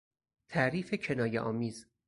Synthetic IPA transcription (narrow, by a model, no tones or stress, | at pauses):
t̪ʰæʔɾiːfe̞cʰe̞nɒːjeʔɒːmiːz